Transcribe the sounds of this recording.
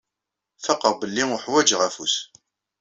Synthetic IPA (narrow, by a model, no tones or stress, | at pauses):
fəqːəɾˤbəlːiʊħwæd͡ʒʁæfus